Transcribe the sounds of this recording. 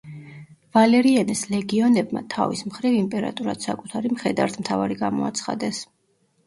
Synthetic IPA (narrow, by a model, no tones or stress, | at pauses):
valɛɾianɛslɛɡiɔnɛb̚ma̰t̪ʰa̰vismχɾivimpʼɛɾa̰t̪ʼuɾad̪̥sakʼut̪ʰaɾimχɛd̪aɾt̪ʰmt̪ʰavaɾiɡamɔat̪sʰχa̰d̪ɛs